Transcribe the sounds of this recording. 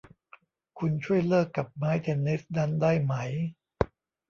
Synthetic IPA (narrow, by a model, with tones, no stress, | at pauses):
kʰu˧nt͡ɕʰu˥˩əjlɤː˥˩kːa˨˩p̚maː˦˥jt̪ʰe˧nːi˦˥sda˦˥ndaː˥˩jma˦˥j